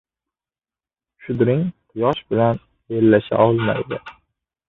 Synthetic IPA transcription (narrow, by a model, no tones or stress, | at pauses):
ʃʊd̪ɾɪŋqʰʊjɒʃbɪlan | eɾlaʃa̰ɒlˠma̰jd̪ɪ